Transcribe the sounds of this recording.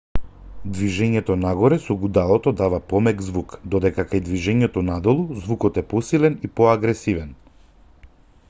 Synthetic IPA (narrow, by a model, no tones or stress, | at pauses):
d̪viʒɛɲɛt̪ɔnaɡɔɾɛsɔɡud̪alˠɔt̪ɔd̪avapɔmɛɡzvukd̪ɔd̪ɛkakajd̪viʒɛɲɛt̪ɔnad̪ɔlˠuzvukɔt̪ɛpɔsilɛnipɔaɡɾɛsivɛn